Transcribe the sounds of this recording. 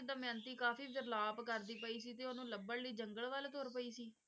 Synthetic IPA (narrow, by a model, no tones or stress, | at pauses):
d̪amjãːnt̪iːkaːfiːpɪɾlaːbkəɾd̪iːpəiːsiːt̪eːonũːləbəɽliːd͡ʒəŋɡəɭʋəlt̪oːɾpəiːsiː